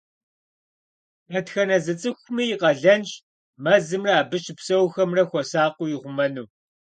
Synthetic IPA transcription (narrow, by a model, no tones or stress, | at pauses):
ɐtxɐnɐzɨt͡sʼɨxʷʊmijɪqɐɮɐnt͡ʃ | mɐzɨmrɐːbɨʃɪpsɐwxɐmrɐxʷɔɐsaːqʷʊjɪʁʷʊmɐnuː